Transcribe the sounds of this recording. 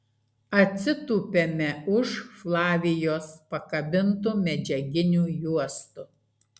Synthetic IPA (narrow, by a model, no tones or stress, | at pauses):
ɐt̪ʲsʲɪt̪uːpʲemʲɛʊʃflˠɑːʋʲɪjoːspɐkɐbʲɪnt̪umʲɛd͡ʒʲɛɡʲɪnʲuːjuɔst̪ʊ